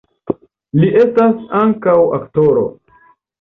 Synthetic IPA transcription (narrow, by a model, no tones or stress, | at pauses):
liʔe̞stasaŋkawa̰ktoɾo̞̰